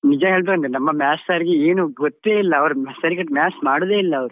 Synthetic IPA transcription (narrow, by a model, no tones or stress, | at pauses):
nid͡ʒɐɦeːɭbekɐnd̪enɐmːɐmaːsaɾiɡeeːnuɡɔt̪ːeːilːɐɐʋɐɾumsɐɾikɐʈmaːsmaːɽud̪eːilːɐːʋɐɾu